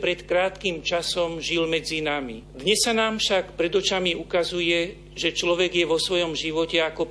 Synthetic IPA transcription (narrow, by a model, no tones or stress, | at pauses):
pɾɛt̪kɾaːt̪kimt͡ʃasɔmʒilmɛd͡zinamḭd̪ɲɛsːanaːmfʃakpɾɛd̪ɔt͡ʃamiukazujɛ | ʒɛt͡ʃlɔʋɛɡjɛʋɔsʋɔjɔmʒiʋɔcɛakɔ